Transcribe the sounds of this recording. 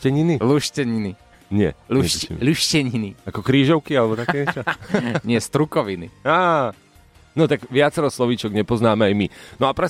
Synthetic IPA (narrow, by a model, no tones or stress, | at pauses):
ɛɲiniluʃcɛɲini | ɲɪɛ̰uʎuʃcɛɲiniakɔkɾiːʒɔʊkialɛbɔt̪akɛːt͡ʃaɲɪɛst̪ɾukɔʋiniaː | nɔt̪aɡʋɪat͡sɛɾɔslɔʋit͡ʃɔɡɲɛpɔznaːmɛajminɔapɾɛ